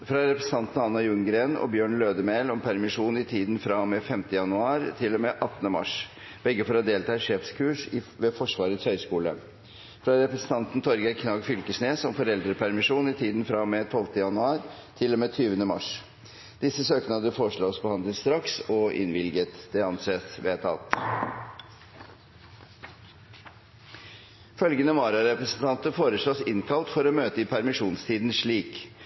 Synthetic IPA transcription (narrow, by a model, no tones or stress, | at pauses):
fɾɑɾɛpɾɛsn̩ʰɑnt̪n̩ɑnːɑjʉŋɡɾeːnɔ̰bjøːɳløːd̪əmeːlɔmpʰæɾmɪʂuːnɪt̪ʰiːd̪n̩fɾɑmɛfɛmt̪əjɑnʉɑːɾt̪ʰɪlːɔmɛʔɑt̪ːnəmɑ̰ʂ | b̥ɛɡːəfɔɾɔd̪eːlt̪ʰɑːɛʂeːfskʰʉːʂɪʋɛfɔʂʋɑːɾət̪shœʏskuːlə | fɾɑɾɛpɾɛsən̩t̪ʰɑnt̪n̩t̪ʰɔɾɡəkʰnɑːɡfʏlkəʂneːsɔmfɔɾɛld̪ɾəpʰæɾmɪʂuːnɪt̪ʰiːd̪n̩fɾɑmɛt̪ʰɔlt̪əjɑnʉɑːɾt̪ʰɪlːɔmɛt̪ʰyːʋənəmɑ̰ʂ | d̪̥ɪsːəsøːknɑd̪əfoːʂɭoːsbəhɑnd̪lət̪st̪ɾɑksɔʔɪ̰nʋɪlɡət̪d̪ɛɑnseːsʋeːt̪ʰɑ̰lt̪ | fœlɡənəmɑːɾɑɾɛpɾɛsənt̪ʰɑnt̪əfoːɾəʂɭoːsɪnkʰɑlt̪fɔɾɔmøːt̪əɪpʰæɾmɪʂuːnst̪ʰiːd̪n̩ʂɭiːk